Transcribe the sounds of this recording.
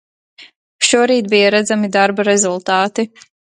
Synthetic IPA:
ʃuɔɾiːt̪̚bijaɾad̪zamid̪aɾbaɾɛzulˠt̪aːt̪i

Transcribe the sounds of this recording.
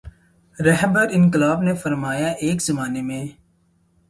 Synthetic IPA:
ɾɛɦbəɾɪnkɪlaːbnefɐɾmaːjaʔeːkzɐmaːnemẽː

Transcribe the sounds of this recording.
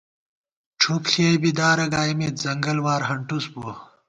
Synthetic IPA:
ʈ͡ʂʰupɬʰeːbid̪aːɾɐɡaːjmet̪zɐŋɡɐlwaːɾɦɐɳʈusbu

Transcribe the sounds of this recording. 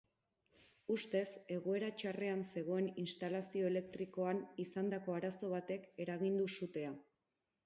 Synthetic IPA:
ust̪e̞se̞ɣ̞o̞e̞ɾat͡ʃare̞anse̞ɣ̞o̞e̞ninst̪alasio̞ele̞k̚t̪ɾiko̞anisand̪ako̞aɾaso̞β̞at̪e̞ke̞ɾaɣ̞ind̪usut̪e̞a

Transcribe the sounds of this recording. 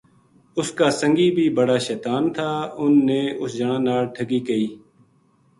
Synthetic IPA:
ʊskaːsəŋɡiːbʱiːbəɽaːʃɛːt̪aːnt̪ʰaːʊnːeːʊsd͡ʒəɳãːnaːlʈʰəɡiːkəiː

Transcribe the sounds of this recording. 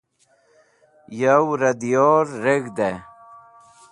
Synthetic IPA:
jawɾɐd̪ijoːɾːeɡd̪e

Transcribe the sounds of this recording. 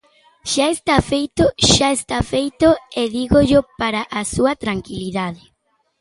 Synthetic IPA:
ʃaest̪afejt̪oʃaest̪afejt̪oeðiɣoʎopaɾaʔasuat̪ɾaŋkiliðaðɪ

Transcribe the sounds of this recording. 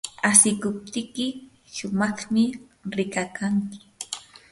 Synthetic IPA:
asɪkʊp̚t̪ɪkɪ | ʃʊmɑχmɪɾɪkakaŋkɪ̥

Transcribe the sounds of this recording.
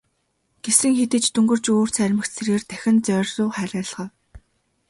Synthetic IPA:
ɡ̥esɘ̆ŋxet̪ɘ̆t͡ɕt̪ʰɵŋɡɵ̆r̥t͡ɕoːr̥t͡sʰæɾʲmə̆xt͡sʰerɣeːrt̪ʰæxʲɪ̆nt͡sœːrʲsʊːχæːɾʲæːɮʁœː

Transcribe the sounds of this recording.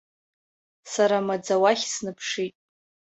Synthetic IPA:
saɾamad͡zawaχʲsnɨpʰʂitʼ

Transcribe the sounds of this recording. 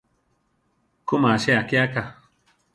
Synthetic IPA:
kumaʃeakeaka

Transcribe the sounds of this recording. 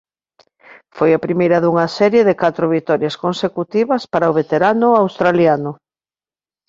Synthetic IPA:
fojɐpɾimejɾɐðuŋɐsɛɾjeðɪkat̪ɾʊβit̪ɔɾjɐskonsekut̪iβɐspaɾaʊβet̪eɾanʊawst̪ɾaljanʊ

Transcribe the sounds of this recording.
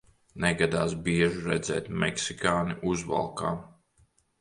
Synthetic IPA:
nɛɡad̪aːsbiɛʒuɾɛd̪zɛːt̪mɛ̰ksikaːniʔuzva̰lˠka̰ː

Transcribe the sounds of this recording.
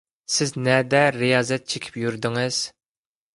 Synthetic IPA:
sɪznɛd̪ɛɾijɑːzɛt̪̚t͡ʃʰekʲʰi̥pjyɾd̪ɪŋɪz̥

